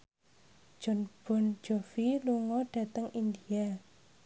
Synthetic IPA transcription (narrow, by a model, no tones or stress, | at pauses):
ʒ̥ɔnb̥ɔ̤n̥d͡ʒ̥ofiluŋɔɖ̥a̤t̪əŋind̪ia